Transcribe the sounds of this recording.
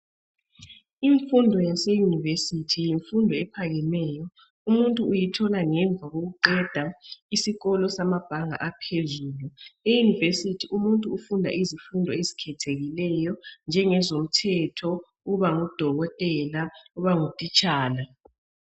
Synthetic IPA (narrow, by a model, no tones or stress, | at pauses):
iɱfundʱɔjasejunivesitʰijiɱfundʱɔɛpʰaɣɛmɛjɔ | umuntʼuːjitʰɔlaŋɛɱb̪vʱaɣoɣuǃɛd̥ʱaisiɣɔlɔsamab̥ʱaŋa̰ʔapʰezuːlɔejunivesitʰiumuntʼuːfundʱa̰ʔizifundʱɔezikʰɛtʰeɣilɛjɔnd͡ʒʱɛŋɛzom̩tʰɛtʰɔ | uβaŋud̥ʱɔɣɔtʼɛlauβaŋutʼit͡ʃʼaːla